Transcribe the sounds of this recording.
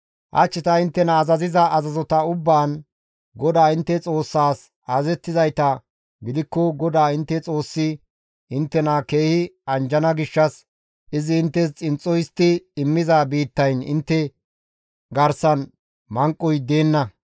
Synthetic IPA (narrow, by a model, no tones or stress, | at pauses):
ʔɐ̰t͡ʃːɪt̪ɐɪnt̪ːɛnɐːzɐzɪzɐːzɐzɔt̪ɐʊbːaːn | ɡɔd̪aːɪnt̪ːɛt͡sʼo̞ːsːaːs | aːzɛt̪ːɪzɐjt̪ɐ | ɡɪd̪ɪkːɔɡɔd̪aːɪnt̪ːɛt͡sʼo̞ːsːɪ | ɪnt̪ːɛnake̞ːhɪɐnd͡ʒɐnɐɡɪʃːɐs | ʔɪzɪɪnt̪ːɛst͡sʼɪnt͡sʼːɔjɪst̪ːɪɪmːɪzaːbiːt̪ːɐjnɪ̰nt̪ːɛ | ɡɐɾsɐn | mɐŋkʼːɔjd̪e̞ːnːɐ